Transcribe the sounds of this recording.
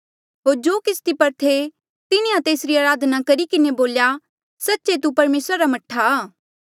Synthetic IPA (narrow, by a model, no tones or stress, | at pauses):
ɦoːɾd͡ʒoːkɪst̪ipɐɾt̪ʰe | t̪ɪnĩãt̪eːsɾiaːɾaːd̪ʱnakɐɾikɪneboːlja | sɐtːʃet̪̬upɐɾmeːsɾaɾamɐʈʰːaː